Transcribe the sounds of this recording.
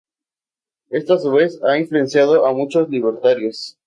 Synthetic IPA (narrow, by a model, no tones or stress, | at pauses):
est̪oasuβe̞saiɱflue̞nsjaðoʔamut͡ʃosliβeɾt̪aɾjos